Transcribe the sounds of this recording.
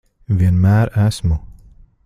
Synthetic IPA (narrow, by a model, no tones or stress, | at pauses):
viənmæːɾæsmu